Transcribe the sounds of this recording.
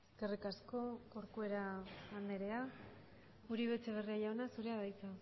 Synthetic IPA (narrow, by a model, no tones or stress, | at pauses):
eske̞rikasko̞ko̞ɾkue̞ɾaand̪e̞ɾe̞a | uɾiβet͡seβ̞e̞riaʎaonasuɾe̞aβajt͡sa